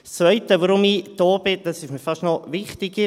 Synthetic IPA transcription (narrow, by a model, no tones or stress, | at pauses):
st͡svœʏtəʋoɾʊmid̥ɔːbɪd̥ɑsɪʃmiːfɑʃtnɔvɪχtɪɡə